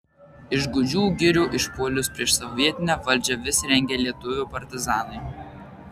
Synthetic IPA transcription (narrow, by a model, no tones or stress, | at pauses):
ɪʒɡʊd͡ʒʲuːɡʲɪɾʲuːʔɪʃpuːlʲʊspʲɾʲiɛʃsɔʊʋʲiɛt̪ʲɪnʲɛʋɐlʲd͡ʒʲɛʋʲɪsɾʲɛŋʲɡʲeːlʲiɛt̪ʊʋʲʊpɐɾʲt̪ʲɪzɑːnɐɪ